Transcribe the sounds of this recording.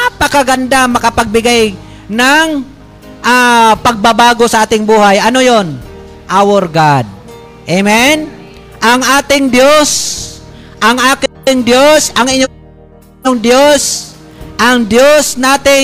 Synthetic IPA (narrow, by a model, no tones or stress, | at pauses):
pakaɡand̪amɐkapaɡ̚bɪɡaj | naŋ | ʔapɐɡ̚babaːɡosɐʔaːt̪ɪŋbuːhajʔɐnojon | ʔawoɾɡad̪̚ | ʔemɛn | ʔaŋʔaːt̪ɪŋd̪jos | ʔaŋʔaːk | ɪŋd̪josɐŋɪɲo | oŋd̪jos | ʔaŋd̪josnaːt̪ɪ